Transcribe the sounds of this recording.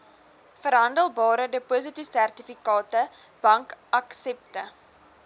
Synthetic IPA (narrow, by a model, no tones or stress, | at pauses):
fəɾɦɐndəlˠbɑːɾədəpos̬ətisærtifikɑːtə | b̥ɐŋkɐksɛp̚tə